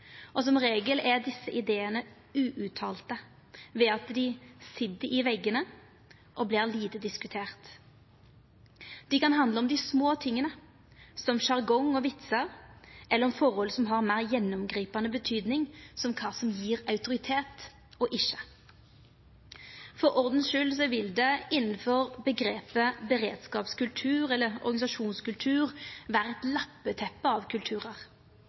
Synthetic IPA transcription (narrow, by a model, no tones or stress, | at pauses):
ʔɔsɔmɾeːɡəlɛd̪ɪsːəʔɪd̪eːənə | ʉːʔʉt̪ʰɑːlt̪ə | ʋɛːɑt̪d̪ɪsɪd̪əɪʋɛɡənə | ʔɔbliːʁliːt̪əd̪ɪskʉt̪ʰeːʁt̪ | d̪̥ɪkɑnɦɑnd̪ləɔmd̪ɪsmoːt̪ʰɪŋːənə | sɔmʃɑʁɡɔŋɔʋɪt̪səɾʔɛlːəɾɔmfɔʁhɔlsɔmɦɑʁmæːʁjɛnːɔmɡɾiːpɑnəbət̪ʰyːd̪nɪŋsɔmkʰɑːsɔmjiːʁɑʉt̪ʊɾɪt̪ʰeːt̪ | ɔʔɪʃə̥ | fɔɾɔʁd̪n̩ʃʉːls̬ɔʋɪld̪ɛɪnn̩fɔʁbəɡɾeːpəbəʁeːd̪skɑːpskʉlt̪ʰʉːʁɛlːəɾɔ̰ʁɡɑnɪsɑʃuːnskʉlt̪ʰʉːʁʋæːʁəɛt̪lɑpːət̪ʰɛpːəɑʋkʰʉlt̪ʰʉːʁəʁ